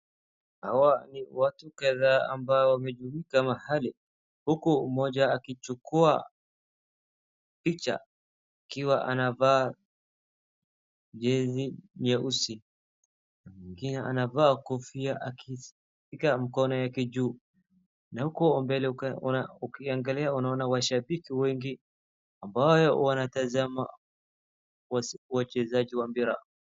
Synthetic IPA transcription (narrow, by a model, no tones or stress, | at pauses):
hawaniwatukaðaa̰mbaɔwamɛʄuikamahali | hukumɔd͡ʒaːkit͡ʃukua̰ | pit͡ʃa̰ | akiwaʔa̰navaː | d͡ʒɛziɲɛʔusi | namiŋɡinɛanavaːkɔfiaʔaki | fikamikɔnɔjakid͡ʒuː | nahukɔɔmbɛlɛ | ukiaŋɡaliaunaɔnawaʃabikiwɛŋɡi | ambajɔwanatazama̰ | wauwat͡ʃɛzaʄiwambiɾa̰